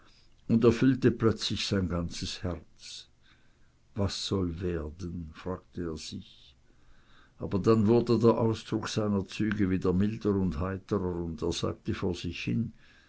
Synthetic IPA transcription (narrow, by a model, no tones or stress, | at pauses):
ʊndeːɐfʏltəplœt͡slɪçz̥aɪnɡant͡səshɛʁt͡s | vasːɔlveːɐdənfʁ̥aːɡ̚təeːɐz̥ɪç | ʔaːbɐdanvʊɐdədeːɐʔaʊsd̥ʁʊkz̥aɪnɐt͡syːɡəviːdeːɐmɪldəʁʊndhaɪtəʁəʊndeːɐz̥a̰ːk̚təfoːɐz̥ɪçhɪ̰n